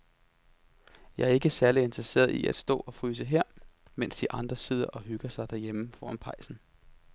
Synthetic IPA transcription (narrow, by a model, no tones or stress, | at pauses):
jɑ̈æɐe̝ɡ̥əsæɐlie̝nd̥ʁɐse̝̰ːɐðˠḭʔæd̥sd̥ɔ̰̽ːɒ̽fʁyːs̬əɦeɐ̰ | mensd̥iʔɑ̈nd̥ʁɐseð̰ˠɐʔɒ̽ɦyɡ̥ɐsɑ̈ɪd̥æɐjeməfɒ̰ːænpʰʁɑ̈ɪsn̩